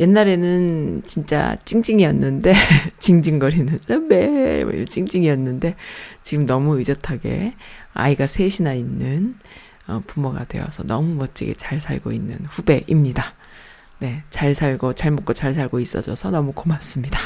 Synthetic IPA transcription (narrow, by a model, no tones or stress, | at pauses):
je̞nːaɾe̞nɯnt͡ɕint͡ɕ͈a̰t͡ɕ͈iŋd͡ʑiŋiʌnːɯnde̞t͡ɕiŋd͡ʑiŋɡʌɾinɯnsʌmḛḭɭt͡ɕ͈iŋd͡ʑiŋijʌnːɯnde̞t͡ɕiɡɯmnʌmuid͡ʑʌtʰaɡe̞̰a̰iɡasʰe̞ɕʰinainːɯn | ʌ̰pumʌɡa̰dwe̞̰wʌ̰sʰʌnʌmumʌt͡ɕ͈ḭɡe̞̰t͡ɕaɭsʰa̰ɭɡo̰inːɯ̰nɸube̞ʔimɲida | ne̞t͡ɕaɭsʰaɭɡot͡ɕaɭmot̚k͈ot͡ɕaɭs̬ʰaɭɡois͈ʌ̰d͡ʑʌsʰʌnʌmukomas͈ɯmɲida